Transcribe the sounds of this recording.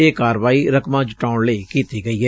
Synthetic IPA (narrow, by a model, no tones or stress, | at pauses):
eːkaːɾʋaːiɾəkmãːd͡ʒɪʈaːʊɳleːkiːt̪iɡɐiːɦɛː